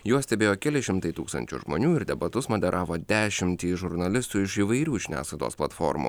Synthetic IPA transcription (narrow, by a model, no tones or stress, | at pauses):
juɔsʲt̪ʲɛbʲeːjoːkʲɛlʲɪʃʲɪmt̪ɐɪt̪uːkst̪ɐ̰nʲt͡ʃʲʊ̰ʒmo̰ːnʲuːɪɾd̪ʲɛbɐt̪ʊsmod̪ʲɛɾʔɑːʋoːd̪ʲæːʃʲɪmʲt̪ʲiːʒʊɾnɐlʲɪst̪uːɪʃiːʋɐɪɾʲuːʒʲɪnʲæ̰ːslˠɐɪd̪o̰ːsplˠɐt̪fo̰ːɾmṵː